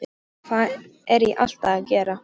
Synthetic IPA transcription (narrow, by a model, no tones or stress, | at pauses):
kʰvaɛɾjɛʔa̰l̥t̪aacɛːɾa